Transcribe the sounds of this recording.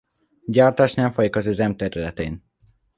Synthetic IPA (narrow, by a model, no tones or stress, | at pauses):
ɟaːrt̪aːʃnɛːmfɒjikɒzøːzɛmt̪ɛɾylɛt̪eːn